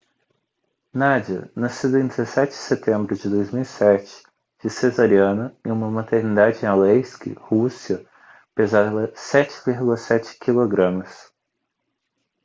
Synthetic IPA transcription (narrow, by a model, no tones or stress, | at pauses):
nad͡ʒiɐ̰nasid̪ʊẽd̪ezesɛt͡ʃɪd͡ʒɪset̪ẽmbɾʊd͡ʒɪd̪ojzmiwisɛt͡ʃɪ̥ | d͡ʒɪsezaɾiɐ̃nɐɪ̃ũmɐmat̪eɾnid̪ad͡ʒɪẽalejskɪ̰husiɐ | pezavɐsɛt͡ʃɪ̥viɾɡulɐsɛt͡ʃɪ̥kiloɡɾɐ̃mɐs